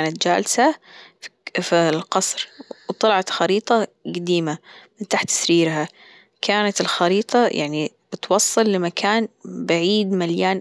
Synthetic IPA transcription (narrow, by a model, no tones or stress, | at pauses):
aːnat̪̚d͡ʒa̰ːlsa | filqɑsˤɾwt̪ˤɑlʕɑt̪xɑɾiːt̪ˤɑ | ɡad̪iːmamɪnt̪aːħt̪ːsɾiːɾɦa | kʰaːnat̪ɪlxɑɾiːt̪ˤɑjʔa̰ʕnib̥ɪt̪wɑsˤːɨlːɪmakʰaːnbaʕiːd̪maljaːn